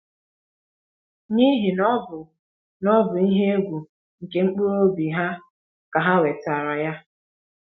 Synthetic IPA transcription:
ni˦ɦi˨nɔ˦bʊ˨ | nɔ˦bʊ˨i˦ɦe˦e˦ɡʷu˨ | ŋ̩˨ke˦ŋ͡m̩˦k͡po˦ɾo˦bi˨ɦa˦ | ka˨ɦa˦we˨ta˨ɾa˨ja˦

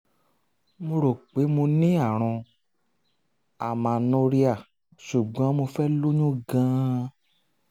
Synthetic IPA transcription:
mõ˧ɾo˨k͡pe˨˦mo˧nĩ˦a˦˨ɾ̃ɔ̃˧ | a˨mã˨nõ˧ɾi˦a˦˨ | ʃu˨ɡ͡bã˨˦mo˧fɛ˦lo˦ɲũ˦ɡã˦

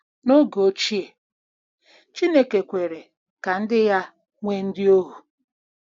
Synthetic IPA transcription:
no˦ɡo˦t͡ʃi˦e˨ | t͡ʃi˦ne˦ke˨kʷe˨ɾe˨ | ka˨n̩˦dɪ˦ja˦ | ŋʷe˦n̩˦dɪ˦o˦ɦu˨

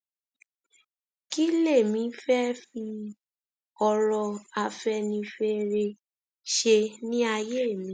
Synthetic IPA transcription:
ki˦le˦˨mĩ˨˦fɛ˦fi˧ | ɔ˧ɾɔ˧a˧fɛ˧˦nĩ˧fe˦ɾe˧ | ʃe˧nĩ˦a˧je˦e˦˨mĩ˨˦

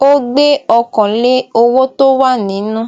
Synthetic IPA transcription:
o˦ɡ͡be˦ɔ˧kɔ̃˨le˦o˧wo˦to˦wa˦˨nĩ˨˦nũ˦

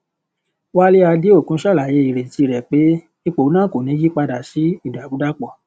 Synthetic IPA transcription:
wa˦le˦a˧de˦o˦˨kũ˦ʃa˦˨la˨je˨˦i˨ɾe˨ti˧˦˧ɾɛ˨k͡pe˨˦ | i˦˧k͡po˨˦nãː˦˨ko˨nĩ˨˦ji˦k͡pa˧da˨si˨˦i˦˨da˨bu˨˦da˦k͡pɔ˦˨

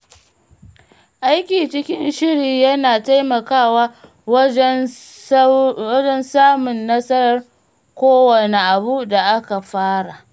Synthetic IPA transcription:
ʔa˦jkʲiː˨t͡ʃɪ˦kʲɪ˦nʃɪ˦ɽiː˨jɐ˦naː˨ta˦jmɐ˨kaː˦˨waː˦ | ɐ˦d͡ʒɛ˦nsaː˦mʊ˨nːɐ˦sɐ˦ɾɐ˦r | kʷoː˦wɐ˨ne˨ʔa˨bu˦da˨ʔa˦ka˨ɸaː˦ɽa˨ʔ

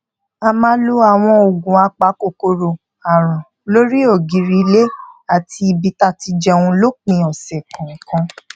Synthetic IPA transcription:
a˧mã˦lo˧a˨w̃ɔ̃˧o˨ɡũ˨a˧k͡pa˨˦ko˦˨ko˧ɾo˨ | a˨ɾ̃ã˨ | lo˦ɾi˦o˦˨ɡi˨˦ɾi˧le˦a˦˨tʰi˧bi˧ta˦˨ti˧d͡ʒɛ˧˨w̃ũ˧lo˦k͡pĩ˧˦ɔ˨sɛ˨kã˨ŋ̩˨kã˧

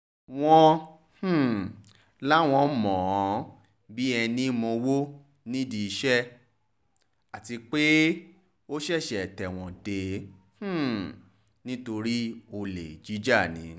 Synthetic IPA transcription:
w̃ɔ̃˧ | h̩˦˨ | la˦w̃ɔ̃˧˦˨mɔ̃˨˦ | bi˦ɛ˧nĩ˦mɔ̃˧wo˦ | nĩ˦di˧i˧ʃɛ˦ | a˨ti˧k͡pe˦ | o˦ʃɛ˦˨ʃɛ˨tɛ˨w̃ɔ̃˨de˨˧ | h̩˦˨ | nĩ˦to˧ɾi˦o˧le˨d͡ʒi˨˦d͡ʒa˦˨nĩ˨˦

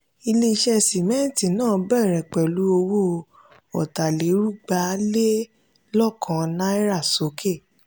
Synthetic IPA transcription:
i˧le˧i˧ʃɛ˧si˨mɛ̃˦˨ti˨nãː˦˨bɛ˦˨ɾɛ˨k͡pɛ˨lu˨˦o˧wo˦ | ɔ˨ta˨le˨˦ɾu˦ɡ͡ba˨˦le˦ | lɔ˦˨kʰã˨˦nã˦i˦ɾa˦˨so˨˦kʰe˦˨

